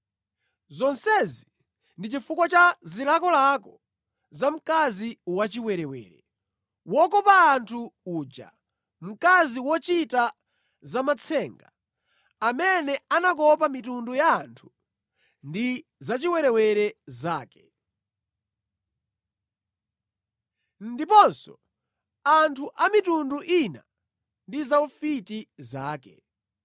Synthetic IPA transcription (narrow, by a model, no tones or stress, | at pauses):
zɔnsɛzi | ndit͡ʃifukwat͡ʃazilakɔlakɔ | zam̩kaziwat͡ʃiwɛɾɛwɛ̰ːɾɛ̰ | wɔkɔpaːntʰuuːd͡ʒa̰ | m̩kaziwɔt͡ʃita | zamat͡sʰɛːŋɡa | amɛnɛanak̬ɔpamitundujaːntʰu̥ | ndizat͡ʃiwɛɾɛwɛɾɛzaːkɛ̥ | ndipɔnsɔ̰ | antʰuʔamitunduʔina̰ | ndizaufitizaːkɛ̰